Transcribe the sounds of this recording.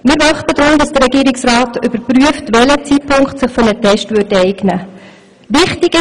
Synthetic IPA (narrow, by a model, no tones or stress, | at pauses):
mɪːɾʋɑχtədɾʊmdɑsd̥əɾɛɡiːɾɪksraːtʏb̥əɾpryəftvɛlət͡siːt̚pʰʊŋkχtsɪχfɔnətʰɛʃtvʏɾdɛɪɡnə | ʋɪχtɪɡɪ